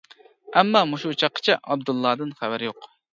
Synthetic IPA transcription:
ɛmːɑːmuʃut͡ʃʰɑqʰːə̥t͡ʃʰɛʔɑbd̪ulˠːɑːd̪ɨnχævæɾɪjoq

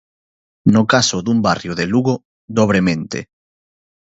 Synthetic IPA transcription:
nokasoðumbarjoðeluɣo | d̪oβ̞ɾemẽnt̪ḛ

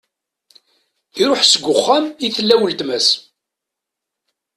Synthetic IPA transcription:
iɾoħsəɡʷːʊχːæmiθəlːæwəlt̪mæs

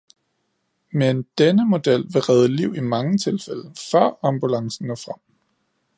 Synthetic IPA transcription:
mend̥enəmo̝d̥el̰ʋe̝ʁɛð̞ˠəliʊ̰ʔimɑ̈ŋət͡sʰe̝lfeləfɶɐ̰ɑ̈mb̥ulɑ̈ŋsn̩nɔfʁɑm̰

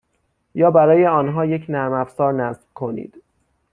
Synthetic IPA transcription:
jɒːbæɾɒːje̞ɒːnɦɒːjecʰnæɾmæfsɒːɾnæsb̥kʰo̞nḭːd̪̥

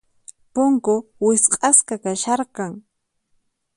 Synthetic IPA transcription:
poŋkowɪsqʼɑskakaʃɑɾqɑŋ

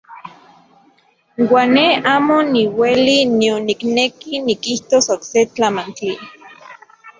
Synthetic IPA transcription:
waːnːeaːmoniwelinionːiknekinikiht̪osokset͡ɬamant͡ɬi

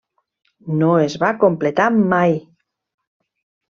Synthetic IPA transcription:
noezβakomplet̪amaj

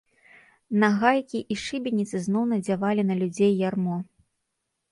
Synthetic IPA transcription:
naɣajkʲiʔiʂɨbʲinʲit̪sɨznɔwnɐd͡zʲavalʲinɐlʲud͡zʲejːarmɔ

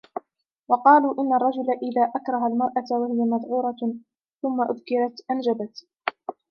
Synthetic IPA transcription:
wɑqɑːluːʔɪnːarˤːɑd͡ʒʊlaʔɪðaːʔakɾˤɑɦalmɑɾˤʔat̪wahɪjamɑðˤʕuːɾˤɑ | θʊmːaʔʊðkɪɾɑt̪ʔand͡ʒabat̪

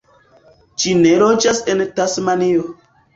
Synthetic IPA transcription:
ʃinelod͡ʒasentasmanio

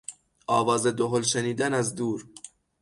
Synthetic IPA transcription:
ʔɒːvɒːzed̪oɦolʃeniːd̪ænæzd̪uːɾ

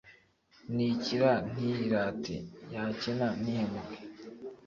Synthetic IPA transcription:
niciɾan̥iiɾaːtḛjacenan̥ihemuɡe

